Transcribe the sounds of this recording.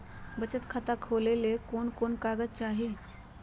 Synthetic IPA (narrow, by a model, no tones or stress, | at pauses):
bət͡ʃət̪kʰət̪akʰoːlelekoːnkoːnkaːɡəd͡ʒt͡ʃaːɦi